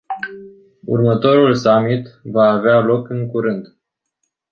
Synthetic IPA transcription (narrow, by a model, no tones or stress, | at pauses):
ṵrmət̪o̞ɾulsamit̪vaːvealo̞kɨŋkuɾɨnd̪